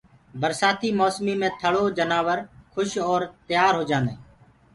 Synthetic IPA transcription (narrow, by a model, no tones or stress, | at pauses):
bəɾsaːt̪ʰiːmoːsmiːmẽːt̪ʰəɭoːd͡ʒənaːʋəɾkʰʊʃɔːɾt̪jaːɾɦoːd͡ʒãːnd̪eː